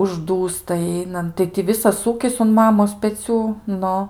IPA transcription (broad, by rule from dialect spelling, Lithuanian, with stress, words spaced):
ʊʒˈduːstɐ ˈɛɪnɐnt tɐɪ tʲɪ ˈʋʲɪsɐs ˈuːkʲɪs ʊn ˈmɑːmoːs pʲɛˈt͡sʲuː ˈnʊ